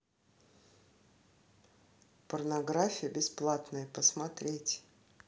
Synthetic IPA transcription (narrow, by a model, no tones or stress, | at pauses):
pərnɐɡɾafʲɪjəbʲɪsplˠat̪nəjəpəsmɐt̪ɾʲetʲ